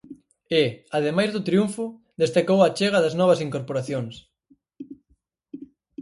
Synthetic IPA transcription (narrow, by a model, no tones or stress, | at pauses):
ɪaðemajzðʊt̪ɾijuɱfʊ | ðest̪akowat͡ʃeɣ̞ɐðɐznɔβɐsiŋkoɾpoɾaθjoŋs